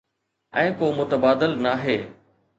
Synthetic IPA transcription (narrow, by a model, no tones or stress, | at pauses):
ɛ̃ːkoːmʊt̪əbaːd̪əlnaːɦeː